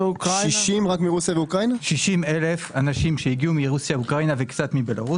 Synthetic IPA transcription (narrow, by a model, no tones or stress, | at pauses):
ukiʃimʁakmiʁusijaveukʁainaʃiʃimelefanaʃimʃeiɡiumiʁusjaukʁainavektt͡sat̪mibelaʁu